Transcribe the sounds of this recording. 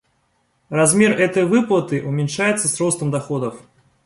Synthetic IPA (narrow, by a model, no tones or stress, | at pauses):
razmʲerɛt̪əjvɨplˠət̪ɨʔumʲɛnʲʂajɛt̪səsrɔst̪ɐmd̪axod̪əf